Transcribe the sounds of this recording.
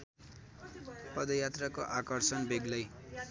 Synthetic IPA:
pʌd̪ʌjat̪rakoʔakʌrsʌnbeɡlʌj

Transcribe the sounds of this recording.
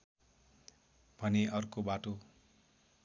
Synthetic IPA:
b̥ʱʌneʔʌrkobaʈo

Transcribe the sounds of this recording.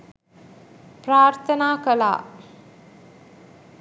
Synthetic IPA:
pɾaːɾt̪ʰənaːkəla̰ː

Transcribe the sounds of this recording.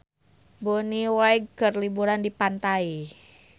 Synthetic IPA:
boniwaiɡ̚kərlibuɾandipant̪ai

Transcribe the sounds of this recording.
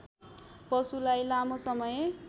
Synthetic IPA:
pʌsulajlamosʌmʌje

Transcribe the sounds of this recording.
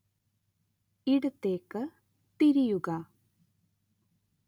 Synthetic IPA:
iɽɐt̪ːeːkːɨ | t̪iɾijuɡa

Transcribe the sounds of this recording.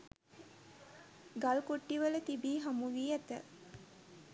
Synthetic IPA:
ɡalkoʈːiʋələt̪ibiːɦamuʋiːæt̪ə

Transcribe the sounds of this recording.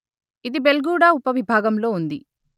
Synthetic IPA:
id̪ibe̞lɡuːɽaːupɐʋibʱaːɡɐmlo̞ːund̪i

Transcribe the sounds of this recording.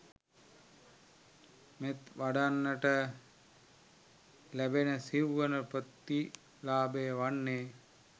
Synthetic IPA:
met̪ʋaɖanːəʈə | læbenəsiʋːənəpət̪ːi | laːbejəʋanːeː

